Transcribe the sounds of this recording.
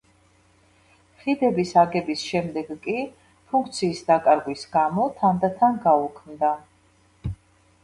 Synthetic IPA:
χid̪ɛbisaɡɛbisʃɛmd̪ɛɡkʼi | pʰuŋk̚ʰt̪sʰiːsd̪akʼaɾɡwisɡamɔt̪ʰand̪at̪ʰanɡaukʰmd̪a

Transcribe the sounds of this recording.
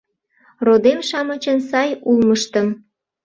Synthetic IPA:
rod̪emʃɑmɤ̆t͡ɕənsɑjulməʃt̪əm

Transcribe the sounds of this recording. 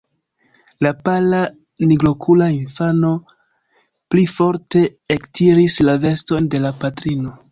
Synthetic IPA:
lapala | niɡlo̞kʰulainfano̞ | plifo̞ɾte̞ektʰiɾislave̞sto̞nde̞lapatɾino̞

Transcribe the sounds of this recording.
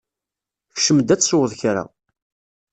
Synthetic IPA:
çʃəmd̪æt͡sːsʊwəðˤçɾa̰

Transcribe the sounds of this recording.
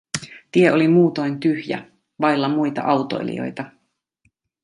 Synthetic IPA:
t̪ie̞ʔo̞limuːt̪o̞jnt̪yhjæ̰ | ʋɑjlːɑmujt̪ɑ̰ʔɑwt̪o̞̰ḭlḭo̰jt̪ɑ

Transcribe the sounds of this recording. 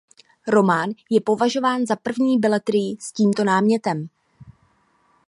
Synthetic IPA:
ɾo̞maːnjɛpo̞vaʒo̞vaːnzapr̩vɲiːbɪlɛt̪ɾɪjɪsciːmt̪o̞naːmɲɛt̪ɛm

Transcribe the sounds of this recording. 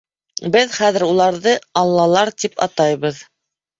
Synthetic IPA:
bɘðχæðɘ̆ɾulˠɑɾðɤɑlˠːɑlˠɑɾt̪ipɑ̰t̪ɑjβɤð

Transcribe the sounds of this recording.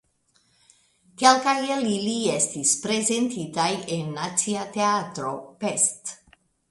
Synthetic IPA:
kelkajeliliest̪ispɾezent̪it̪ajenːat̪siat̪eat̪ɾopest̪

